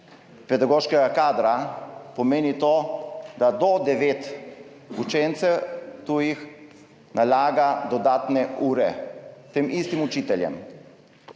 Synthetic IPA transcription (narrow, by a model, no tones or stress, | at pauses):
pɛd̪aɡoːʃkɛɡakaːd̪ɾapɔmeːnit̪oːd̪ad̪ɔd̪ɛʋeːt̪ | ut͡ʃɛnt̪sɛwt̪uːjix | nʔalaːɡad̪ɔd̪aːt̪nɛuːɾɛt̪emist̪imut͡ʃiːt̪ɛljɛ̰m